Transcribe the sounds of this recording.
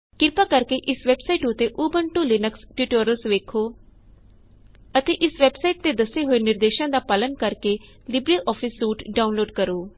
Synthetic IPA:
kɪɾpaːkəɾkeʔɪsʋɛːbsaiːʈʊt̪eʔuːbəɳʈuːlɪnəksʈiːʈoːɾəlsʋeːkʰoː | ət̪eːʔɪsʋɛːbsaːiʈ̚t̪ed̪əseɦoːenɪɾd̪eːʃãːd̪aːpələnkəɾke | lɪbɾiʔɔːpʰɪsːuːʈɖaːʊnloːɖkəɾoː

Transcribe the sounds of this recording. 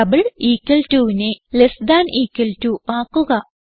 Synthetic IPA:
ɐbiɭiːkːɐltuːʋinelesd̪aːnʔiːkːɐltuːaːkːuɣɐ

